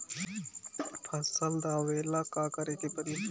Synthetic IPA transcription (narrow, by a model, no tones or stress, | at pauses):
pʰɐsəld̪aːʋeːlakaːkɐɾet̪epəɾi